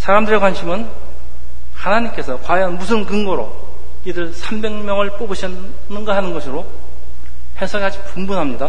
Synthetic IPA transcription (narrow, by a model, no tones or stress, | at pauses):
sʰaɾamdɯɾekwanɕʰimɯn | hanaɲimk͈e̞sʰʌkwajʌnmusʰɯnkɯŋɡoɾo̰ | idɯɭsʰambe̞ŋmjʌŋɯɭp͈obɯɕʰi | nːɯŋɡaɦanɯnɡʌsʰɯɾo | hesʰʌɡad͡ʑipumbunɦamɲida